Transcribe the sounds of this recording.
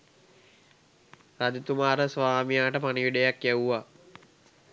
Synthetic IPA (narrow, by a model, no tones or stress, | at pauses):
sad̪ut̪umaːɾəsʋaːmijaːʈəpaniʋiɖejakjæuʋa